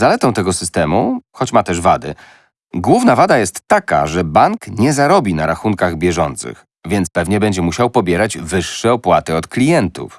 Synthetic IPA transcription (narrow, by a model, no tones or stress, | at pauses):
zalɛt̪ɔw̃t̪ɛɡɔsɘst̪ɛmuxɔt͡ɕmat̪ɛʐvad̪ɘ̰ | ɡwuvnavad̪ajɛst̪ːaka̰ʐɛbaŋkɲɛzaɾɔbʲinaɾaxuŋkaɣbʲjɛʐɔnt̪sɘ̰x | vʲjɛnt̪spɛvɲɛbɛɲd͡ʑɛmuɕawpɔbʲjɛɾad͡ʑvɘʂːɛɔpwat̪ɘɔt̪klʲijɛnt̪ṵf